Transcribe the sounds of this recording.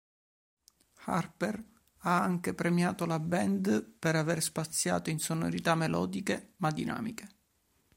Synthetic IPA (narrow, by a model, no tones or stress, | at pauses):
xa̰rper | aaŋkepɾemjaːt̪olabɛnd̪peɾaverspat̪sːja̰ːt̪oinsono̰ɾit̪amːelɔ̰ːd̪ikemad̪ːinʔa̰ːmike̥